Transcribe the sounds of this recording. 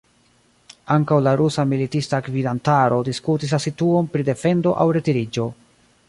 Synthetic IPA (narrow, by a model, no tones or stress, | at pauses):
aŋkawlaɾusamilitistakvidantaɾo̞diskutis̬lasituo̞npɾide̞fe̞ndo̞ʔawɾe̞tiɾid͡ʒo